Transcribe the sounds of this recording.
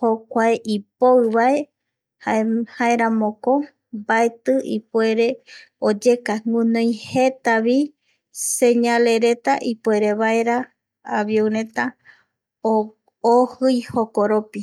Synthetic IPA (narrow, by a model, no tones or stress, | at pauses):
hokʷaeʔipoɨβae̞ | hahaeɾamõko | baet̪ɨʔḭpwe̞ɾe̞ | od͡ʒe̞kaŋũnõj̃he̞t̪aβi | seɲale̞ɾe̞t̪a̰ʔipweɾe̞βaeɾaː | βjowɾẽ̞t̪a | o | ohɨjhokoɾopi